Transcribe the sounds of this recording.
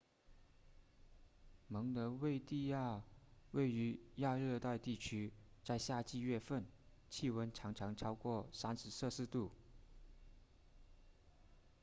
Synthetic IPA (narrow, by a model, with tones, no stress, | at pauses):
mɤ˧˥ŋnə˧˥we˥˧ɪt̪i˥˧ja˥˧we˥˩ɪy˧˥ja˥˧ɻɤ˥˧t̪a˥˧ɪt̪i˥˩t͡ɕʰy˥ | t͡sa˥˧ɪɕja˥˧t͡ɕi˥˧ɥɛ˥˧fə˥˧n | t͡ɕʰi˥˩wə˥nʈ͡ʂʰɑ˧˥ŋʈ͡ʂʰɑ˧˥ŋʈ͡ʂʰɑ˥ʊkwɔ˥˩sa˥nʂɻ̩˧˥sɤ˥˧sɹ̩˥˧t̪u˥˩